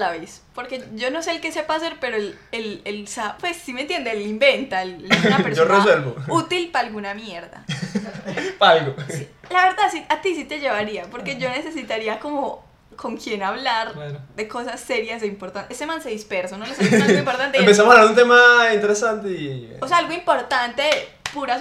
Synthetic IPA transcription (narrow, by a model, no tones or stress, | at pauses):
laβespo̞ɾke̞d͡ʒo̞no̞se̞ːlke̞se̞paːse̞ɾpe̞ɾoel | elelsapwe̞sːimẽnt̪jend̪eelimbe̞nt̪aeluɡnapeɾoresweɾβout̪ilpaːlɡunamje̞ɾða̰ | paalɡosilaβe̞ɾðaðsiat̪isit̪e̞ʝe̞βaɾiapo̞ɾke̞ʝo̞ne̞sesit̪aɾiako̞mo | kʰo̞ŋkje̞naβlaɾd̪e̞ko̞sasːe̞ɾjazd̪eimpo̞ɾt̪anesemãnseðispe̞ɾsonoloseeimpoɾt̪ant̪eempes̬amosalaɾunt̪emaint̪e̞ɾesant̪eioseaalɡoimpo̞ɾt̪ant̪e̞puɾa